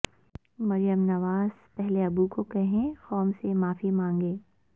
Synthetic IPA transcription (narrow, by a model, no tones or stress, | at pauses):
mɐɾijəmnɐʋaːz̥pɛɦleɐbukokɛɦẽxɔːmsemaːfimãːŋɡeː